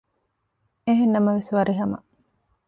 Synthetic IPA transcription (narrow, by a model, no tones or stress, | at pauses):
eɦenːɐmɐʋesʋɐɾiɦɐmɐ̰